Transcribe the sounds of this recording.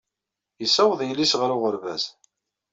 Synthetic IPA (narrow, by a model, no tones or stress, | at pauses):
jəsːæwðˤjəlːisʁəɾʊʁəɾvæ̰z